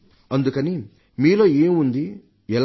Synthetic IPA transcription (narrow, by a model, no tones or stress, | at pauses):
ɐnd̪ukɐni | miːloːeːmund̪i | ɛl